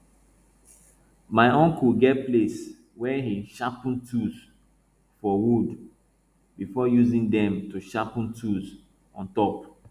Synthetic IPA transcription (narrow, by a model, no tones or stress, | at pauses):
maɪɔ̃ŋkuɡɛtples | wɛhiʃapntʰuz | fɔwud | bifɔjuzĩŋdɛ̃mtuʃapntʰuz | ɔ̃ntɔp